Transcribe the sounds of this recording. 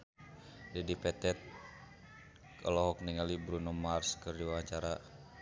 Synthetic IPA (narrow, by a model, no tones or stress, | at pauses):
dɛdipɛt̪ɛt̪̚ | ka̰lɔɦɔk̚niŋalibɾunɔmarskɨrdiwawaɲt͡ʃaɾa